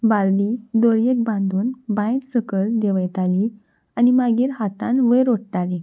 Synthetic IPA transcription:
bald̪id̪oɾjek̚bãnd̪ʱuːnbãjt̪səkəld̪eʋəjt̪ali | animaɡiːɾɦat̪ãnʋəjɾoʈ̚ʈ̪ali

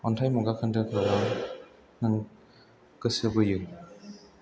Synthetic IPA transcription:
ɔntʰajmuɡakʰandɯkʰaɾaŋ | nɯŋ | ɡɯsɯbɯjɯ

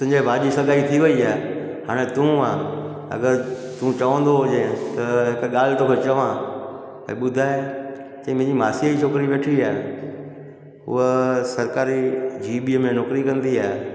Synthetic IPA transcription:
t̪ɦɪ̃ɲd͡ʑeʋaːʄisɐɡʱaːit̪ʰiʋɐiaːe | haːɽ̃et̪ũa | ɐ̰ɡəɾt̪ũt͡ɕɐʋə̃nd̪oɦod͡ʑẽt̪ɐɦɪkɠaːl̤ɪt̪oːkʰet͡ɕɐʋã | ɛ̰̃ɓʊd̪ʱaːɦe | t͡ɕɐ̃mẽɦɲd͡ʑimaːsijəit͡ɕʰoːkɾiʋeːʈʰiaːɦ | ɦʊ̰əsɐɾkaːɾid͡ʑʱiːɓiəmẽnoːkɾikɐ̃nd̪iaːɦe

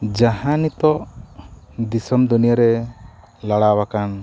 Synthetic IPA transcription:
d͡ʒaɦãnit̪ɔʔ | d̪isɔmd̪unijaɾɛ | laɽawakan

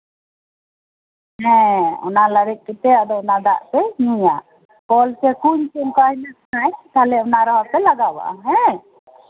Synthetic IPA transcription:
ɦɛ̃ɔ̰nalaɾɛk̪̚kit̪ɛad̪ɔɔnad̪aʔt̪ɛɦĩɲa | kɔlkɛkuɲt͡ʃunkaɦinakanajt̪alɛɔnaɾɔɦap̪ɛlaɡaba̰ʔa̰ɦɛ̃

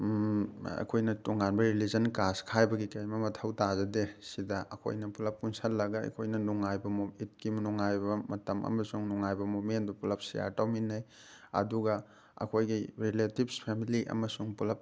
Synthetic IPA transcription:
ɐ̰kʰojnɐtuŋanbɐɾilizɐnkaskʰajbɐɡikɐjmɐmɐtʰɐwtazɐdesidɐʔɐ̰kʰo̰jnɐpulɐp̚kunsɐlːɐɡɐɐ̰kʰojnɐnuŋajbɐmomit̚kimɐnuŋajbɐmɐtɐmʔɐ̰mɐsuŋnuŋajbɐmomendupulɐp̚sḭja̰ɾtawminːɐj | ɐ̰duɡɐ | ɐ̰kʰojɡiɾiletibpʰemiliʔɐ̰mɐsuŋpulɐp̚

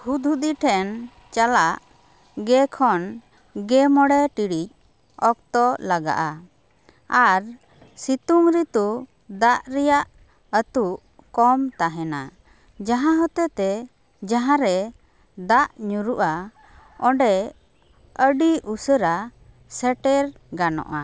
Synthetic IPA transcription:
hud̪ʱud̪iʈʰɛn | t͡ʃalaʔ | ɡɛkʰɔn | ɡɛmɔɽɛʈiɽic̚ | ɔk̚t̪ɔlaɡa̰ʔa | aɾ | sit̪uŋɾit̪u | d̪aʔɾɛjaʔ | ət̪uʔ | kɔmt̪aɦɛna | d͡ʒaɦãɦɔt̪ɛt̪ɛ | d͡ʒaɦãɾɛ | d̪aʔɲuɾuʔa | ɔɳɖɛ | əɖiusəɾa | sɛʈɛɾ | ɡanɔ̰ʔa

